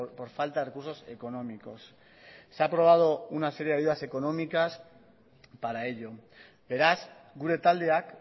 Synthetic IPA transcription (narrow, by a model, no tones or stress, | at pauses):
po̞ɾfalt̪aðrekuɾso̞se̞ko̞no̞miko̞̰sː | eapɾo̞β̞að̞o̞unase̞ɾjeajuðaseko̞no̞mikas | paɾae̞ʎo̞ | be̞ɾasɡuɾe̞t̪ald̪eak